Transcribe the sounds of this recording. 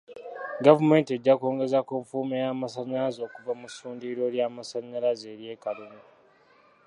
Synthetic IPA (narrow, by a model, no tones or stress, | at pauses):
ɡavume̞ːntie̞ɟːakoːŋɡe̞zakuɱfuːmejaːmasaɲːalazo̞ːkuvamusuːndiɾo̞ljamasaɲːalaze̞ːɾje̞ːkalume